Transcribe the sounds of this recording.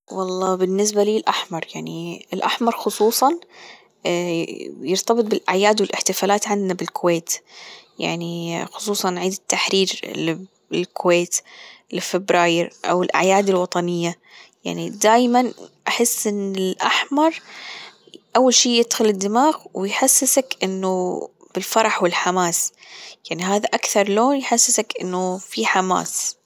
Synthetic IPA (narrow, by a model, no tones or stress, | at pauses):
wɑlˤːɑːbɪnːɪs̬baliːlʔaħmɑɾˤjaʕniɪlʔaħmɑɾˤxʊsˤuːsˤɑn | jɪɾt̪ɑbɨt̪̚ˤbɪlʔaʕjaːd̪wɪlʔɪħt̪ɪfaːlaːt̪ʕand̪nabɪlkʊweːt̪ja̰ʕnixʊ̥sˤuːsˤɑnʕiːd̪ɪt̪ːaħɾiːɾlɪ | lkʰʊweːt̪lfɪbɾɑːjɪɾʔa̰wɪlʔa̰ʕjaːd̪ɪlwɑt̪ˤɑnɪjːa | ja̰ʕnid̪aːjmanʔaħɪsːʔɪnːɪlʔaħmɑɾˤ | ʔawːalʃiːjɪd̪xʊlɪd̪ːɪmaːɣwɪjħasːɪsakʔɪnːʊ | b̥ɪlfɑɾˤɑħwɪlħamaːsjaʕniɦaːðaʔakθɑɾˤloːnjħasːɪsakʔɪnːʊfiħama̰ːs